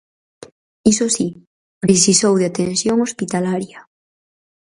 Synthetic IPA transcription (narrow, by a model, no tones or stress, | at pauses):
isosi | pɾesisowðeat̪ensjoŋospit̪alaɾja